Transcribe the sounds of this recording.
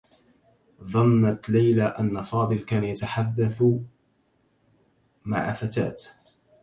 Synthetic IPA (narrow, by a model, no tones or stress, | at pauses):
ðˤɑnːat̪lajlaʔanːafɑːd̪ˤɨlkaːnajat̪aħad̪ːaθ | ma̰ʕa̰fat̪a̰ːt̪